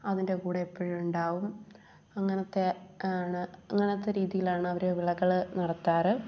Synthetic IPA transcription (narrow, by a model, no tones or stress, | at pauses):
ɐðinde̞kuːɽeepːoɻuɳɖaːʋum | ɐŋːɐnɐt̪ːeaːɳɨɐŋːɐneot̪ːeɾiːðijilaːɳɨɐʋɐɾeʋiɭɐɣːɐɭnɐɽɐt̪ːaːɾɨ